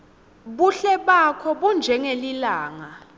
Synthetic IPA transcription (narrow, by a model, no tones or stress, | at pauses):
ɓuɬɛɓakʰɔɓund͡ʒʱɛŋelilaːŋa